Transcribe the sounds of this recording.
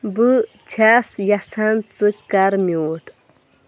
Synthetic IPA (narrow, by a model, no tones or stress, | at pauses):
bɨ | t͡ɕʰaːsjasʰant͡sɨkaɾmuːʈ